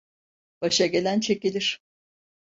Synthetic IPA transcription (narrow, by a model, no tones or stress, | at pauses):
b̥aʃaɡɟe̞lʲænt͡ʃʰe̞cilʲiɾ̥